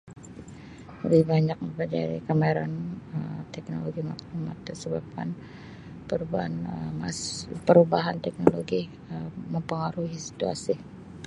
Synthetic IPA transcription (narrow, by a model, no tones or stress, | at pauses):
lə̰bɪhbaɲak̚məpəd͡ʒa̰ɾḭkəmaiɾanəmt̪ɛk̚no̰loɡimak̚lumat̪ərsəbap̚ka̰n | pəɾubaanəmaspəɾubaɦant̪ɛk̚noloɡi | əməmpəŋaɾuhisi̥t̪ua̰si